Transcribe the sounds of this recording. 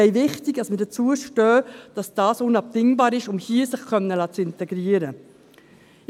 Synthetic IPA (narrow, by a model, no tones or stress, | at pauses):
ɛɪʋɪχtiɡdɑsmədət͡suəʃtœːd̥ɑsd̥ɑːsʊnɑp̚tɪŋbɑːɾɪʃʊmhiːsəχkʰœnːəlɑːt͡sɪntɛɡ̥ɾiːəɾə